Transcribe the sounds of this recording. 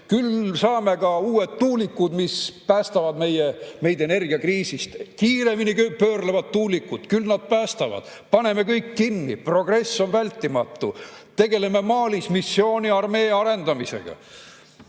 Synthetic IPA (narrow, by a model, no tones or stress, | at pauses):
kylsɑːme̞ɡɑuːe̞t̪t̪ːuːlikːud̪mispæːst̪ɑvɑd̪me̞jeme̞jd̪ene̞rɡ̥iɑkriːsist̪kiːɾe̞minikøpøːrlevɑd̪t̪uːlikːˑud̪̥kylnɑd̪̥̚pæːst̪ɑvɑ̰d̪̥ | pɑne̞me̞kɤjkːinːipro̞ɡ̥re̞sːo̞nvælʲt̪ˑːimɑt̪ːˑut̪e̞ɡe̞le̞me̞mɑːlismisːjo̞ːnʲiɑrme̞ːɑɾe̞nd̪̥ɑmise̞̰ɡ̥ɑ̰